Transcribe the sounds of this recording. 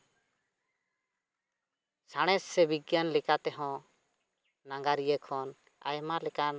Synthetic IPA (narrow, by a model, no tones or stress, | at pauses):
saɽ̃ɛsːɛbiɡjanlɛkat̪ɛɦɔ̃ | naŋɡaɾijəkʰɔn | a̰jmalɛkan